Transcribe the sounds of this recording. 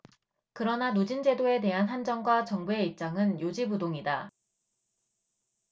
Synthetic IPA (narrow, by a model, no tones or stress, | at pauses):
kɯɾʌnanud͡ʑind͡ʑe̞doe̞te̞ɦanɦand͡ʑʌŋɡwat͡ɕʌŋbue̞ip̚t͡ɕ͈aŋɯnjod͡ʑibudoŋida